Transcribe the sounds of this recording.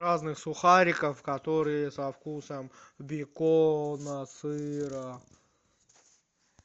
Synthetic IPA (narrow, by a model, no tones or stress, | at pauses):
aznɨxsʊxaɾʲɪkəfkɐt̪oɾɨjəsɐfkusəmbʲɪkonəsɨɾə